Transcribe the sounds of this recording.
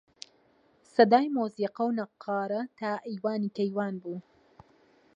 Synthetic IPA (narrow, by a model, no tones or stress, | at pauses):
sɐd̪aːjmoːsiːqɐwnɐqʰːɑːɾɐt̪aːʔijwaːniːkɐjwaːnbuː